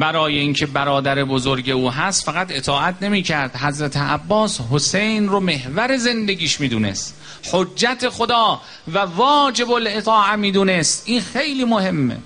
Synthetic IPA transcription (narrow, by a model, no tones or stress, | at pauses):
bæɾɒːjeiːnkʰebæɾɒːd̪æɾebozo̞ɾɟe̞uːɦæst̪fæɣæt̪e̞t̪ʰɒːʔæt̪ʰne̞miːcʰæɾd̪ɦæzɾæt̪ʰeæbːɒːshose̞jnrome̞hvæɾe̞ze̞nd̪e̞ɡʲiːʃmiːd̪une̞̰st̪ | ħoːæt̪ʰexod̪ɒː | vævɒːd͡ʒe̞bole̞t̪ʰɒːʔæmiːd̪uːnest̪ʔiːnxejliːmohe̞mːḛ